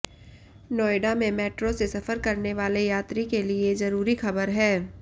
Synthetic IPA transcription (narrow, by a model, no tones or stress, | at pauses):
nɔːɪɖamẽmɛːʈɾosesɐfəɾkɐɾneʋaːlejaːt̪ɾikeliezɐɾuːɾixɐbəɾɦɛː